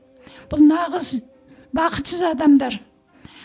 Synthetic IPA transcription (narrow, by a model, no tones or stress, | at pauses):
b̥ʊlˠnɑʁəz | bɑqʰə̥t̪səzɑd̪ɑmd̪ɑɾ